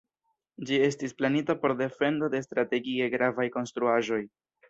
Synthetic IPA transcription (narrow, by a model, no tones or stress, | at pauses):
d͡ʒie̞stisplanitapo̞ɾde̞fe̞ndo̞de̞stɾate̞ɡie̞ɡɾavajko̞nstɾuaʒo̞j